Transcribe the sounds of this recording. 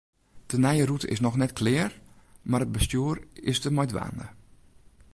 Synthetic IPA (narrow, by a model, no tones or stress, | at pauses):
d̥ənɛjəɾutə̰ʔɪsnɔxnɛtkʰlɪər | maɾət̚bəstjuːəɾɪsdəmɔjdʋa̰ːndə̰